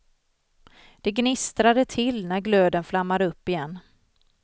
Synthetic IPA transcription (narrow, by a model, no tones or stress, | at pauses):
d̪̥ɛɡnɪst̪ɾad̪ət̪ʰɪlnæɾɡløːd̪ənflamːad̪əɵpːɪjɛnː